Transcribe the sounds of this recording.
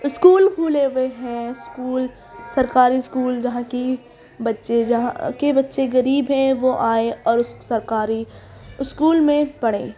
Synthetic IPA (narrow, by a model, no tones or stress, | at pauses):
ɪskuːlɦuleːʋeɦɛ̃ɪskuːl | sɐɾkaːɾiɪskuːld͡ʒɐɦãki | bɐtːʃeɦã̰kebɐtːʃeɣɐɾiːbɦɛ̃ʋoʔaːeɔːɾsɐɾkaːɾi | skuːlmẽpɐɽḛ̃ː